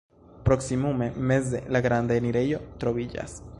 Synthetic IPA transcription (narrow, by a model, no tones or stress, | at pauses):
pɾo̞ksimume̞me̞ze̞̰laɡɾandaeniɾe̞jo̞t̪ɾo̞vid͡ʒa̰s